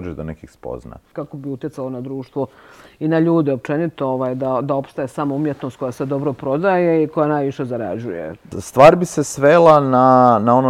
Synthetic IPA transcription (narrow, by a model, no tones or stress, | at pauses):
d͡ʒed̪onekixspo̰zna̰kakobiut̪je̞t̪salo̞nad̪ɾuːʃt̪ʋoinaʎuːd̪ɛop̚t͡ʃe̞nit̪ooʋaːjd̪ad̪ao̞pst̪aesamoumjet̪nost̪ko̞jased̪o̞bɾopɾo̞d̪ajeiko̞janaːjʋiʃe̞zaɾa̰d͡ʑujḛst̪ʋaːɾbisesʋelˠananao̞no